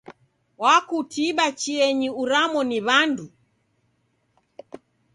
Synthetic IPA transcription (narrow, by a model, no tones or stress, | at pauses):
wakutiɓat͡ʃiɛɲiuɾamɔniβandu